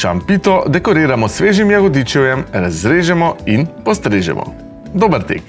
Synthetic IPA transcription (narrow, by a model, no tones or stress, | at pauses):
ʃa̰mpiːt̪ɔd̪ɛkɔɾeːɾamɔsʋeːʒimjaɣɔd̪iːt͡ʃɛwjɛmɾazɾeːʒɛmɔinpɔst̪ɾeːʒɛ̰mʔɔ̰ | d̪oːbəɾt̪ḛːk